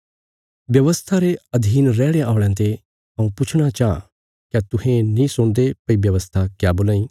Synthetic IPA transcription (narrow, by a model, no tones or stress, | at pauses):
ʋjɐʋəst̪ʰaɾeɐd̪ʱiːnɾɛːɽeaːʊɽ̃ãt̪e | ɐ̃ũpʊt͡ʃʰɽ̃at͡ʃaã̰ | kjat̪ʊɦẽnĩsʊ̃ɽ̃d̪epɐibjɐʋəst̪ʰakjaboːlãːĩː